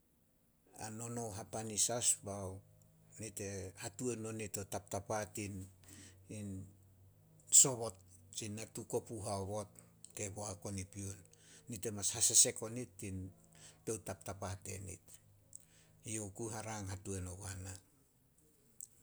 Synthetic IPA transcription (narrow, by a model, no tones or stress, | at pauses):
a̰no̞no̞wɦapanisasbawnite̞hatue̞no̞nitotap̚tapatin | in | so̞βo̞t | t͡ʃinːatuko̞puɦaoβo̞t̚ | ke̞boako̞nipionːite̞mashasese̞ko̞nitːin | to̞wtap̚tapate̞̰nḭt | iokuɦaɾaŋhatue̞noβana